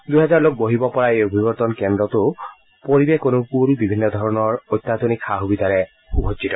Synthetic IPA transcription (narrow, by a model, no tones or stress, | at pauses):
d̪ujɦɛzaɹlok̚boɦibɔpɔɹaeobʱibɔɹt̪ɔnkɛndɹɔt̪ʊ | poɹibɛkonʊkulbibʱinːɔd̪ʱɔɹɔnɔɹojt̪ːat̪onikxaɦubitaɹɛ | ubʱɔsitɔ